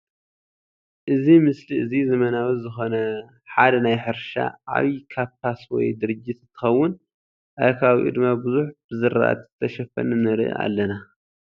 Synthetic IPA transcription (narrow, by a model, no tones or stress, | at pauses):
ʔɨzimɨsliʔɨzizɐmɐnawɐzɨxo̞nɐ | ħad̪ɐnajħɨɾʃa̰ʔa̰βikʰaβt̪ʰaswɔ̰jd̪ɨɾɨd͡ʒːit̪ɨt̪ʰɨ̥xɐwːʊn | ʔakʰaβiʔɨ̰d̪ɨmabɨzuħb̥ɨzɨɾa̰ʔa̰t̪zɨt̪ʰɐʃɐfɐ̰nɨnɨɾ̰ʔa̰lːɐna